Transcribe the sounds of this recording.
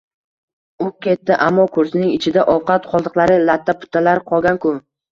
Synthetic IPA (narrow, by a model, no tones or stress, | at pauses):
ʊkʲe̞t̪ːɪʔamːɒkʰɵɾsɪnɪŋɪt͡ʃʰɪd̪aʔɒwqʰɑt̪qʰɒlˠd̪ɨqlˠaɾɪlat̪ʰːapʰʊ̥t̪ʰːalaɾqʰɒlˠɡʲankʰʊ